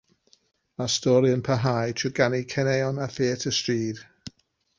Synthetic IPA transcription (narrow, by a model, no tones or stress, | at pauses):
mastɔɾjənpʰəɦajtʰuɡanikʰɛnɛjɔnafeːtʰəstriːd̥